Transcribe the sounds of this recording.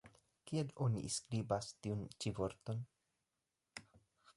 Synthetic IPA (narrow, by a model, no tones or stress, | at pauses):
kielo̞nḭʔskɾibastiunt͡ʃivo̞ɾt̪o̞n